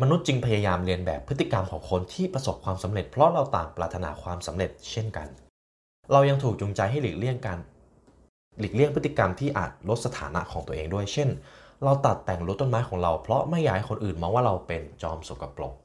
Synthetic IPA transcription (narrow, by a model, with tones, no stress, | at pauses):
ma˧nu˦˥t̪̚t͡ɕi˧ŋpʰa˧jaː˧jaː˧mli˧ənbɛ̰ː˨˩pʰːɯ˦˥t̪ːi˨˩ka˧mkʰɔː˩˦ŋkʰo˧nt̪ʰiː˥˩pɾa˧so˨˩p̚kʰwaː˧msa˩˦mɾe˨˩t̪̚pʰɾɔ˦˥ɾa˧wt̪a̰ː˨˩ŋpɾaː˨˩t̪ʰa˧na̰ː˩˦˥kʰwaː˧msa˩˦mɾe˨˩t̪̚t͡ɕʰe˥˩nka̰˧n | ɾa˧wja˧ŋt̪ʰuː˨˩k̚t͡ɕu˧ŋt͡ɕa˧jɦa˥˩jliː˨˩k̚li˥˩əŋkaː˧n | li˨˩k̚li˥˩əŋpʰɯ˦˥t̪ːi˨ka˧mt̪ʰiː˥˩ʔa̰ː˨˩t̪̚ɾo˦˥t̪̚sa˧t̪ʰa̰ː˩˦na̰˦˥ʔkʰɔː˩˦ŋt̪u˧əʔeː˧ŋdu˥˩əjt͡ɕʰe˥˩nɾa˧wt̪a˨˩t̪ːɛ˨˩ŋɾuː˦˥t̪o˥˩nmaː˦˥jkʰɔː˩˦ŋɾa˧wpʰɾɔ˦˥ma˥˩jːaː˧˦˩jkʰo˧nʔɯː˨˩nmɔː˧ŋwaː˥˩ɾa˧wpe˧nt͡ɕɔː˧mso˨˩kːa˧plo̰˨˩ŋ̚